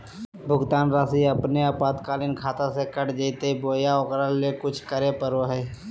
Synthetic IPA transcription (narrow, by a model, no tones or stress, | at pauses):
bʱʊɡt̪aːnɾaːsiɐpneaːpaːt̪kaːlɪnkʰaːt̪asekəʈd͡ʒeːt̪eiboːjaokɾalekʊt͡ʃʰkəɾepəɾoɦɛː